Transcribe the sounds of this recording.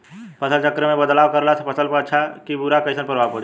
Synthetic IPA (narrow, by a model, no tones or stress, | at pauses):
pəsəlt͡ʃəkɾəmẽbəd̪laːwkəɾlasʰpəsəlpəɾətːʃʰakibʊɾakəɪsənpəɾʋapəɽi